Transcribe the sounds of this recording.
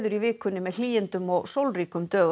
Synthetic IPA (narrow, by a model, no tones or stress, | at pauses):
ðʏɾivɪːkʏnːɪmɛðl̥iːjɪnt̪ʏmɔɣsowlriːkʏmt̪œːɣ